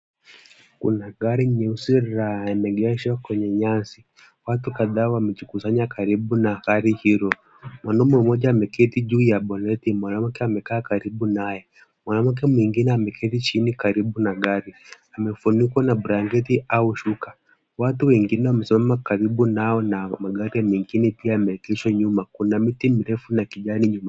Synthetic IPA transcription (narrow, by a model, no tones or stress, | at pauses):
kṵnaɡaɾiɲɛusiɾɾaaɛmɛɡɛʃakwɛɲɛɲasi | watukaðaːwamɛt͡ʃikusaɲakaɾiɓunahaɾihiɾɔ | mwanɔmwɛmɔʄaːmɛkɛtiʄuːjaɓɔnɛtimwanam̩kɛamɛkaːkaɾiɓunajɛ | mwanaw̩k̬ɛmwiŋɡinɛamɛkʰɛtit͡ʃinikaɾiɓunaɠaɾi | amɛfunikwanaɓuɾaŋɡɛtiauʃukḁ | watuwɛŋɡinɛwamɛsimamakaɾiɓunaɔnamaɡaɾiamɛŋɡinɛpiaːmɛkɛʃaɲumakunamitimiɾɛfunakiʄaniɲuma